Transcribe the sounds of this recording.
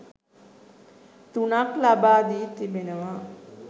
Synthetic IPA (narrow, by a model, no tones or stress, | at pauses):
t̪unaklabaːd̪iːt̪ibenəʋa